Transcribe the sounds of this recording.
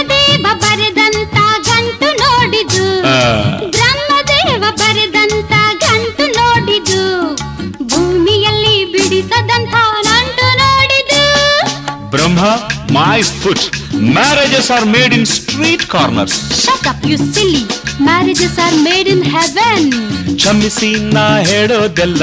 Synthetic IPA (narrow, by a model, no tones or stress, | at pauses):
d̪eːʋɐbɐɾid̪ɐnt̪ɐɡʱɐɳʈunoːɽid̪u | bɾɐmːɐd̪eːʋɐbɐɾed̪ɐnt̪ɐɡʱɐɳʈunoːɽid̪u | bʱuːmijɐlːibiɽisɐd̪ɐnt̪ʰɐnɐɳʈunoːɽid̪u | bɾɐmːɐmajfuʈmæɾed͡ʒesaːɾmeːɖinsʈɾiːʈkaːɾnɐ̰ɾsʃɐt̪ɐpjusilimæɾed͡ʒesaːɾmeːɖinɦɛʋent͡ʃʰɐmːisinaɦeːɽod̪elɐ